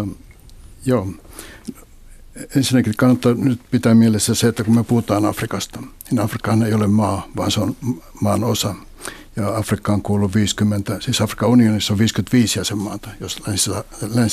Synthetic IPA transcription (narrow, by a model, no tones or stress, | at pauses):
o | joː | ensinːækikɑnːot̪ːɑnyt̪pit̪æmielesːæseet̪ːækummyøpuhut̪ɑːnɑfrikɑst̪ɑ̥ninɑfrikːɑhɑneiolemmɑːʋɑ̰ːnseon | mɑːnosɑ | jɑɑfrikːɑoŋkuːluʋʋiːskymːent̪æsiːsɑfrikɑunionisːoʋʋiːskymt̪ʋiːsjɑsemmɑːt̪ɑ̥joslænsiɑlæn